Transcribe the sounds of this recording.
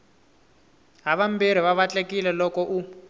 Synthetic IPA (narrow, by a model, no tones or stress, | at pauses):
ɦaβambiɾ̤iβaβat͡ɬekilɛlɔkɔʔu